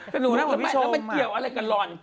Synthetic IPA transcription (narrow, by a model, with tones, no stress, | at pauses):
ɛ˧˩nuː˨˦naː˦˥m˨˦˧ma˧˩ki˨˩əwʔa˧ɾa˧jka˨˩lɔː˨˩n